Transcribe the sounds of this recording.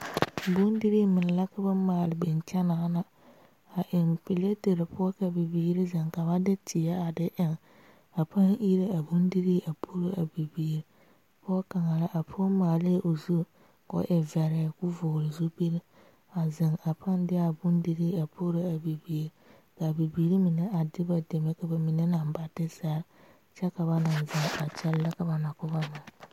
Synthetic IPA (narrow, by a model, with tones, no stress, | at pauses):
bʊ˦ndi˦ɾiː˦mɪ˨n˨la˦ka˦ba˦maː˨lɪ˨bɛ˨nt͡ʃɛ˦na˨˦na˨ | a˨ʔɪ˨mpɪ˨le˦te˨ɾɪ˨pʊ˦ka˨bɪ˨biː˨˦ɾɪ˦zɪ˨ŋka˨ba˦dɪ˦tʰɪ˨a˦a˨dɪ˦ʔɪ˨ŋ | a˨pʰa˦ŋi˦ɾe˦a˨bʊ˦n˦di˦ɾiː˦ʔa˨pʰo˦ɾo˦ʔa˨bi˨biː˨ɾi˦ | pɔ˦ka˨ŋa˨la˦ʔa˨pʰɔ˦maː˨le˦˨ʔo˨zu˦˨ | kɔ̰˦ʔɪ˨vɛ˨ɾɛ˨kʊ˦vʊː˨lɪ˨zu˦be˦ɾ | a˨zɪ˨ŋa˨pʰa˦n˦dɪ˦a˦˨bʊ˦ndi˦ɾi˦a˨pʰo˦ɾo˦a˨bi˨bi˨ɾ | ka˨bi˨biː˨ɾi˦mɪ˨nɛ˦ʔa˨dɪ˦ba˨de˨me˦ka˨ba˨mɪ˨ne˦na˨mba˨dɪ˦sa˦ɾ | t͡ʃɛ˦ka˨βa˨na˨nzɪ˨ŋa˨t͡ʃɛ˦lːa˦ka˨ba˨na˨kʊ˦ba˦mɪ˨ŋ